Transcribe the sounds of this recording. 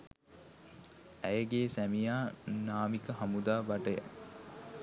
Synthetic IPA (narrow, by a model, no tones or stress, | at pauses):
æjəɡeːsæmijaːnaːmikəɦamud̪aːbaʈəjæ̰